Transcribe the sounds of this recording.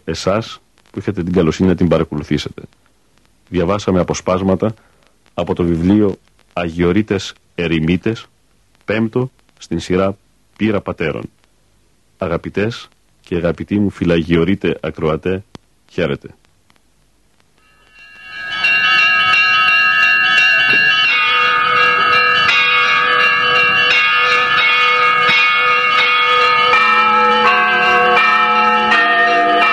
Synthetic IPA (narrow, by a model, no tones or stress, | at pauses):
e̞sɐs | puiçɐt̪et̪iŋɡɐlo̞sininɐt̪̬imbɐɾɐko̞luθise̞t̪e̞̥ | ðʝɐvɐsɐme̞ɐpo̞spɐzmɐt̪ɐː | po̞t̪o̞vivlio̞ | ɐʝio̞ɾit̪e̞s | eɾimit̪e̞s | pe̞mt̪o̞ | st̪insiɾɐ | piɾɐpɐt̪e̞ɾo̞̰n | ɐɣɐpit̪e̞s | ceɐɣɐpit̪imufilɐʝio̞ɾit̪e̞ʔɐkɾo̞ɐt̪e̞ | çe̞ɾe̞t̪e̞̥